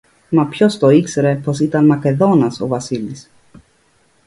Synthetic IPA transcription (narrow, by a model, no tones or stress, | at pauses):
mɐpço̞st̪o̞ikse̞ɾe̞po̞sit̪ɐnmɐke̞ðo̞nɐso̞̰vɐsilis